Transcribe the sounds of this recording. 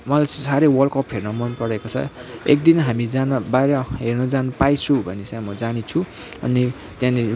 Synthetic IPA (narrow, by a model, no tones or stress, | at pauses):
mʌlajsaɾewʌlkʌpɦernʌmʌnpʌɾekot͡sʰʌ̰ḛk̚d̪inɦamid͡zanʌbajɾʌɦernʌd͡zanupajt͡sʰũbʱʌnet͡sãjmʌd͡zanit͡sʰũ | ʌ̰ni | t̪jãni